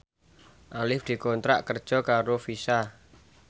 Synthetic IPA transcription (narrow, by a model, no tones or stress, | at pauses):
ʔalɪfd̪̥i̤kɔnt̪ɾa̰ʔkərd̥ʒ̥ɔ̤kaɾofisa